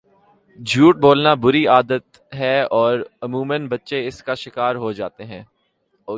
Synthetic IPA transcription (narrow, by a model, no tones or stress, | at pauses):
d͡ʒʱuːʈ̚boːlnabʊɾiaːd̪ət̪ | ɦɛɔːɾɐmuːmə̃nbɐtːʃeɪskaʃɪkaːɾɦod͡ʒaːt̪eɦɛ̃ː | ɔː